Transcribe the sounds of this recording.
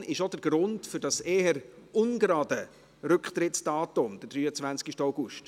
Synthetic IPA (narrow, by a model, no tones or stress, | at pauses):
ɪʃod̥əɾɡ̥ɾʊndfʏɾdɑseːəɾʔʊnɡɾɑːdə | ɾʏkχtɾɪtsd̥ɑːtʊmd̥əd̥ɾyːət͡svænskɪʃtaʊɡ̥ʊʃt